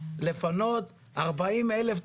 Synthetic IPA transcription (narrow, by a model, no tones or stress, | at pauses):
le̞fano̞t̪ | ʔaʁbaimeleft̪